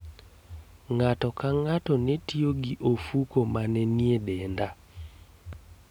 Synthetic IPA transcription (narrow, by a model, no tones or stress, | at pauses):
ŋatɔkaŋatɔnɛtioɡiʔofukomanɛniedɛnda